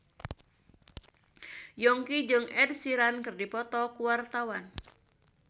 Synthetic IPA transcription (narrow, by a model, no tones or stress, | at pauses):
jɔŋkid͡ʒɨŋɛd̪̚siɾankɨrdipɔt̪ɔkuwart̪awan